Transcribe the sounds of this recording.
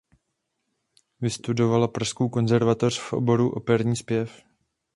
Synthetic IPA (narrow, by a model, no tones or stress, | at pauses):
vɪst̪udo̞valapɾaskowkonzɛɾvat̪or̥fʔo̰bo̞ɾuʔo̞̰pɛɾɲiːspjɛf